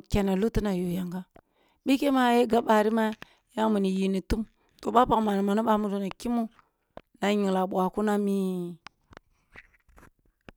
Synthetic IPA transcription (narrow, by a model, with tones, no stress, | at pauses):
kʲe˨na˨lu˦ti˦na˨ju˨ja˨ŋɡa˦ | ɓi˦ke˦ma˦je˦ɡa˦ɓa˨ɾi˦ma˦ | ja˦ŋmu˨ni˨ji˨ni˨tu˦m | to˨ɓa˦pa˨kma˨n˨ma˨nu˦ɓa˦mu˦do˨na˨ki˦mu˦ | na˨ɲi˨ŋ˨la˨ɓʷa˨ku˦na˦mi˦